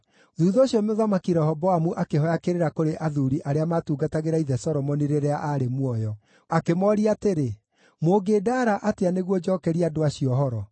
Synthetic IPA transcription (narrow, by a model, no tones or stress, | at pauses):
ðuðɔːɕjɔmoðamakiɾɛhɔbɔwamuʔakeɦɔjakeɾeɾakoɾeʔaðuɾiʔaɾeamatuːɡataɣeɾaiðɛsɔɾɔmɔniɾeɾɛaʔaɾemwɔjɔ | akemɔɾiateɾe | moɡedaːɾaʔateaneɣwɔd͡ʒɔːkɛɾiadoaɕiɔɦɔɾɔ